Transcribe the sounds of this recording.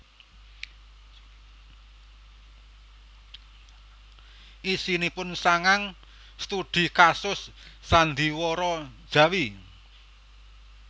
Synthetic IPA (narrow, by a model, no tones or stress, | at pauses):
ʔisinipʊnsaŋaŋ | st̪ud̪̥i̤kasʊsː | and̪iwɔɾɔ̥ʒ̥ä̤wi